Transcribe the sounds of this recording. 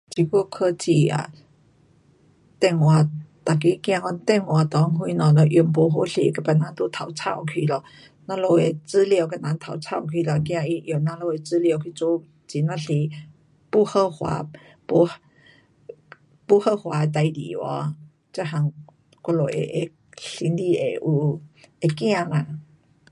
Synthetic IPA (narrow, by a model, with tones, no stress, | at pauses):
t͡ɕi˧˩ku˧kʰə˧t͡ɕi˨˩a̰˨˩ | t̪ɛ˧˨ŋwa˧˩t̪a˨˩k̬i˧˦kj̃ã˧kɔ˧˦nt̪ɛ˥˧˩ŋwa˨˧˩t̪ɔ˨˧˦ŋɦwu˧˦nɔ̃˧˩lɔ˧˩ʔjŋpo˧˩ɦo˧˦ɬḭ˧ka˧˩pa˧˨˩nã˧˦t̪u˧˦t̪ʰa˨˩wt͡sʰa˥˧˨wkʰi˧lɔ˧˩ | nã˧lo˧e˨t͡sɨ˧˦li˧˨wka˧nã˨˦ŋt̪ʰa˨˩˦wt͡sʰa˥˧˨wkʰi˧˨lɔ˧˩kj̃ã˧i˧ʔjo˨˩nã˧lo˧˨e˧˩t͡sɨ˧˦li˧wkʰi˧t͡su˧˦ | t͡ɕi˨nã˧ɬi˧˦ | pu˧˨hə˥˧˨hwa̰˧˦ | pu˧ | pu˥˧˨hə˧hwa˨˧˦e˧t̪̬a˧jdḭ˨˦wɔ̰˧˦ | t͡ɕa˧˨ɦa˧˦ŋ | ka˧lo˨˩ʔḛ˨ʔe˧ | ɬi˧˦ndi˧e˨ʔu˧e˧kj̃ã˥˧˨la˧˨